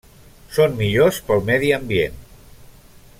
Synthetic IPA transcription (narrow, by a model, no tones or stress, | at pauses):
sonmiʎospəlˠmɛðiəmbien